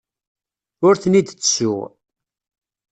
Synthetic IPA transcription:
ʊɾθənid̪t͡sːsʊ̰ʁ

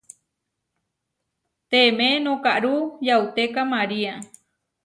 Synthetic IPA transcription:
t̪emẽnõkaʔɾujawt̪ekamaɾia

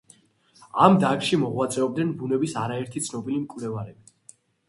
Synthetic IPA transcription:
amd̪akʃimɔʁwat̪sʼɛɔb̚d̪nɛnbunɛbisaɾaɛɾt̪ʰit̪sʰnɔbilimkʼwvlɛvaɾɛbi

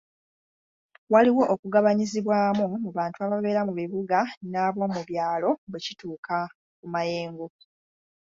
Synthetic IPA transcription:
waliwo̞ʔokuɡaβaɲiziβwaːmumuβaːntuaβaβe̞ːɾamuβiβuɡanaːβwo̞muβjaːlo̞βecituːkʰa | kumaje̞ːŋɡo̞

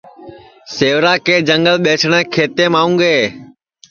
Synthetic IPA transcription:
seːʋɾaːkeːd͡ʒəŋɡəlɓeːt͡ʃʰɳ̃ɛ̃ːkʰeːt̪ẽːmaːũːɡeː

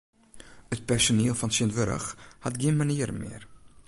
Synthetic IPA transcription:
ət̚pɛrsoniːəlˠfɑnsiənvəɾə̰χhɐtɡiənmaniːəɾmɪ̰ər

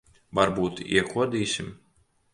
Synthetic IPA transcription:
vaɾbuːt̪ḭɛkʰuɔd̪iːsʲim

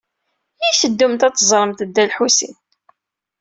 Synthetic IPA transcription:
jisəd̪ːumt̪æt͡s̪ːzˤɾˤəmt̪d̪ːælħusḭn

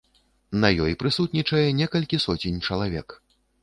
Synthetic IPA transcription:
nɐjɔjpɾɨsut̪nʲit͡ʂɐjɛnʲɛkɐlʲkʲisɔt͡sʲinʲt͡ʂɐlˠavʲɛ̰k

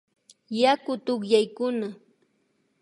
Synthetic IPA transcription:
jakʊt̪ʊχjajkʊna

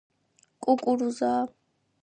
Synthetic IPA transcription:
kʼukʼuɾuzaː

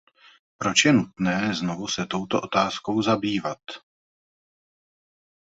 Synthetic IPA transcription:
pɾo̞t͡ʃjɛnut̪nɛːznovusɛt̪o̞wt̪oʔo̞t̪aːsko̞wzabiːvat̪

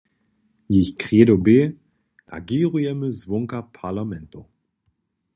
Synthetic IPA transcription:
jɪçkʁ̥eːdobeː | a̰ɡiːʁuɛməzvʊŋkɐpʰalamɛnto

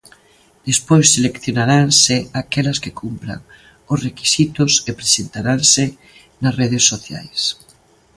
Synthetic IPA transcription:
d̪̥espojsːelekθjonaɾaŋsɪakelɐskekʰumpɾa̰ŋ | ʊsreki̥sit̪ʊsepɾesent̪aɾaŋsɪ | nasreðesːoθja̰js

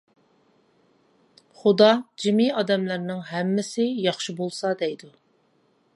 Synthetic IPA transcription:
χʊd̪ɑd͡ʒɪmiɑd̪ɛmlæɾnɪŋɦɛmːɪsɪjɑχʃibolˠsɑd̪ɛjd̪u

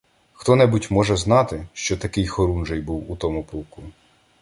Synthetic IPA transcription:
xt̪ɔnɛbutʲmɔʒɛzn̪ɑt̪ɪʃt͡ʃɔt̪ɐkɪjxɔɾunʒejbuwut̪ɔmʊpɔlˠku

